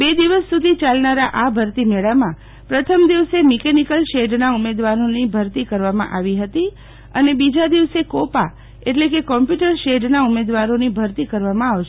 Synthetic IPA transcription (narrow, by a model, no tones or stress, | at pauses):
bed̪iʋəsːud̪ʱit͡ʃalnaɾaʔabʱəɾt̪imeɭamã | pɾət̪ʰəmd̪iʋsemikenikəlʃeɖnaumed̪ʋaɾonibʱəɾt̪ikəɾʋamã̰ʔaʋiɦət̪i | ənebid͡ʒad̪iʋsekopa | eʈlekekɔmpjuʈəɾʃeɖnaumed̪ʋaɾonibʱəɾt̪ikəɾʋamãaʋʃ